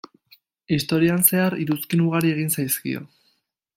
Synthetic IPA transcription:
ist̪o̞ɾianse̞aɾiɾuskinuɣ̞aɾie̞ɣ̞insajskḭo̞̰

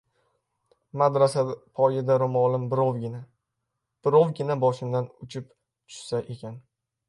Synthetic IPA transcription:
mad̪ɾasapʰɒjɪd̪aɾomɒlˠɪmbɾovʲɪna | b̥ɪɾovɡʲɪnabɒʃɪmd̪anʊt͡ʃʰɪp | t̪ʰʊ̥ʃsaʔe̞kʲan

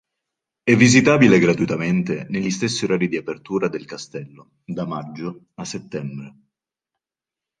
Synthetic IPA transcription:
ɛvːizit̪aːbileɡɾat̪uit̪ament̪enelʎːist̪esːioɾʔaːɾid̪iapert̪uːɾad̪elkast̪ɛlːo | d̪amad͡ʒːo | asːet̪ːɛmbɾe

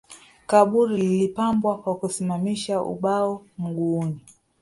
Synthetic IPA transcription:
kaɓuɾililipambwakwakusimamiʃaʔṵɓaɔm̩ɡuni

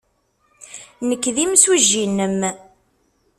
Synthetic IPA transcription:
nəkːðimsuʒːinəm

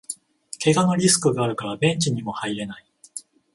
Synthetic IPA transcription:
kʰe̞ɡano̞ɾʲisɨ̥kɯ̟ɡaːɾɯ̟kaɾabẽ̞ɲt͡ɕiɲ̟imo̞haiɾe̞nai

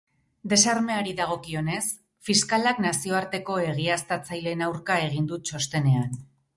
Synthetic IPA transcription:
d̪e̞saɾme̞aɾiðaɣ̞o̞kio̞ne̞s | fiskalaknasio̞aɾt̪e̞ko̞e̞ɣ̞iast̪at͡sajle̞nawɾkae̞ɣ̞ind̪ut͡ʃo̞st̪e̞ne̞an

